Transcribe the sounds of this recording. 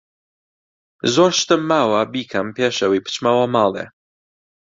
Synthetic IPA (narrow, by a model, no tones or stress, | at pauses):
zwɔʃt̪ɛmːawabikʰampʲjɛʃɛwipt͡ʃmawamalɛ̰